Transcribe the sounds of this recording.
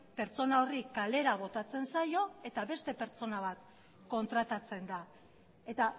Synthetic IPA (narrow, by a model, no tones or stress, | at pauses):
pe̞ɾt͡so̞nao̞rikale̞ɾaβ̞o̞t̪at͡se̞nsajo̞e̞t̪aβe̞st̪e̞pe̞ɾt͡so̞naβ̞at̪ | ko̞nt̪ɾat̪at͡se̞nd̪a | e̞t̪a